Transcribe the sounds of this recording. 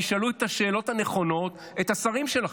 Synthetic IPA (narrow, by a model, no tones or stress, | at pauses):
iʃaluet̪aʃeːlo̞thane̞χo̞no̞t | et̪asaʁimʃela